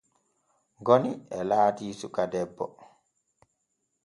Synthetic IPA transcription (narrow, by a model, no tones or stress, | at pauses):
ɡoniɛlaːtiːsukadɛbːɔ